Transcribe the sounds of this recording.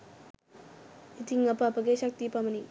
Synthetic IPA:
it̪iŋɐpapɐɡeɕɐk̚t̪ipamɐni

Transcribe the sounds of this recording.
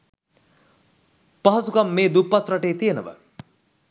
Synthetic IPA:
paɦɐsukamːeːd̪upːat̪rɐʈeːt̪ijenəʋə̰

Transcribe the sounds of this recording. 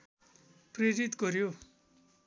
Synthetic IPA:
preɾit̪ɡʌɾjo

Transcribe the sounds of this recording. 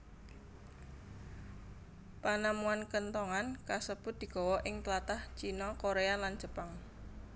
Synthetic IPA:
panamuankənt̪ɔŋankasəb̥ʊt̪̚d̪̥i̤ɡ̥ɔ̤wɔʔɪŋt̪əlat̪aht͡ʃinɔkoɾealan̥d͡ʒ̥ə̤paŋ

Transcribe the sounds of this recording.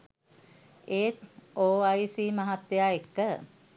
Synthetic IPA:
eːt̪oːajsiːmaɦat̪ːejaːekːə

